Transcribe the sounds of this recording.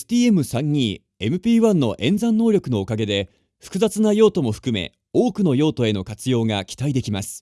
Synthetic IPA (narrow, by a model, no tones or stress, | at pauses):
est̪ʲiːe̞mɯ̟sãɲ̟ːiː | e̞mɯ̟pʲiːβãnːo̞ʔẽ̞nzãnːo̞ːɾʲo̞kɯ̟no̞ːkaɡe̞d̪e̞ | ɸɯ̥kɯ̟zat͡sɨnajo̞ːt̪o̞mo̞ɸɯ̟̥kɯ̟me̞̰ | o̞ːkɯ̟no̞jo̞ːt̪o̞e̞no̞kat͡sɨjo̞ːŋɡakʲi̥t̪aid̪e̞kʲimasɨ̥